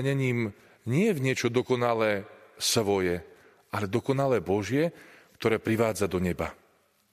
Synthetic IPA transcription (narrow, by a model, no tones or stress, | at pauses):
ɲɛɲiːm | ɲɪɛvɲɪɛt͡ʃɔd̪ɔkɔnalɛːsʋɔjɛ | ʔalɛd̪ɔkɔnalɛːbɔʒɪɛkt̪ɔɾɛːpɾiʋaːd͡zad̪ɔɲɛba